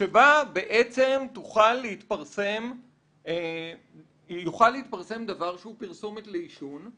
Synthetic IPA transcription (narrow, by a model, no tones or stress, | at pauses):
ʃebabe̞ʔet͡se̞mt̪uχalːeit̪paʁse̞m | juχalːeit̪̚paʁse̞md̪avaʁʃeupiʁsomet̪leiʃun